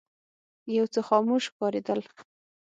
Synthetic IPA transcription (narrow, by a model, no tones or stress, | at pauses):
jawt͡səxɑmoʃkɑɾed̪əl